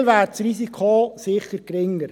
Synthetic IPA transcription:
lʋæːɾsɾisikʰosɪχəɾɡɾɪŋəɾ

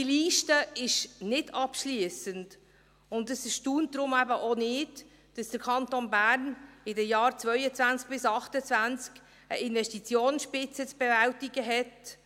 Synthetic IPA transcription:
d̥iliːʃtəɪʃnɪdʰɑpʃliəsənd | ʊndəsɪʃtuːntdɾʊmæbəʔonɪd | d̥ɑsd̥əɾkʰɑntonbæɾnɪdɛjɑːɾt͡svœʏət͡svænt͡sk̚b̥ɪsɑχtət͡svænt͡sk | əʔɪnvɛstit͡sjoːnsʃpɪt͡sət͡sb̥ɛvæltiɡəɦɛt

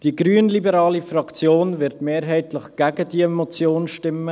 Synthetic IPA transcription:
d̥iɡ̥ɾyːənlibəɾɑːlifrɑkt͡sjoːnvɪɾtmeːɾɦɛɪtlɪχɡ̥æɡəd̥iɛmot͡sjoːnʃtɪmːə

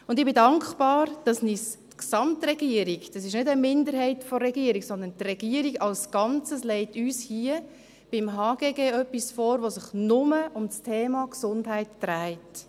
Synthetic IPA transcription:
ʊndɪbɪdɑŋkχb̥ɑːɾd̥ɑsnis | ksɑmtɾɛɡiəɾiɡd̥ɑsɪʃnʏdəmɪndəɾɦɛɪtfɔɾːɛɡ̥iəɾiksɔnd̪əntrɛɡ̥iəɾiɡɑlsɡ̥ɑnt͡səslɛɪtyːshiə | b̥ɪmɦɑːɡeːɡeːœpːisfɔːɾʋosɪχnʊməʔʊmstʰeːmɑksʊndɦæɪtd̥ɾæɪt

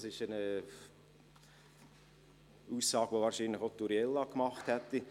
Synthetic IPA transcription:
sɪʃənə | uːsɑːɡ̥ʋovɑːɾʃiːnləχot̪uɾjɛlːɑkmɑχthɛt̪ːi

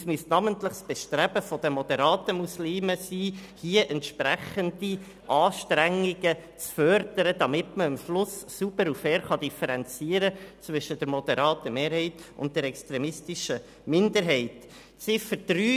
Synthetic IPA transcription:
smystnɑməntləχsb̥ɛʃtɾæbəfɔd̥əmɔd̪ɛɾɑːtəmusliːməsiːhiəʔɛntʃpɾæχəndi | ʔɑːʃtɾæŋːɪɡət͡sfœɾd̥əɾəd̪ɑmɪtməɪmflʊsːubəɾufɛːɾχɑd̪ifɛɾɛnt͡siəɾət͡sʋʏʃəd̥ɛɾmɔd̪ɛɾɑːtːəmeːɾhɛɪtʊ̰nt̚dɛɾɛkst̪ɾɛmɪstiʃə | mɪndəɾɦɛɪt | t͡sɪfədɾyː

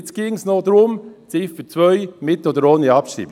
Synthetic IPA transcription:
t͡sɡ̥iːŋsnod̪ɾʊmt͡sɪːfət͡sʋœʏmɪtod̪əɾoːniɑpʃḭːb

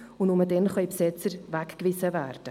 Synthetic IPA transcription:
ʊnʊmədɛnχɑʏpsɪt͡səɾvækkvɪsəvæːrd̥ə

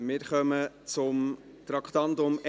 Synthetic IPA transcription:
mɪɾχœmə | t͡sʊm | t̪ɾɑkχt̪ɑndʊm

